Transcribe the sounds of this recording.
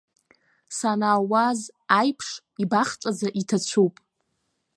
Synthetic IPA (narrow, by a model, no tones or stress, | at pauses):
sanaːwazajpʰʂ | ibaχt͡ʃʼad͡zaʔitʰat͡ɕʷʰupʼ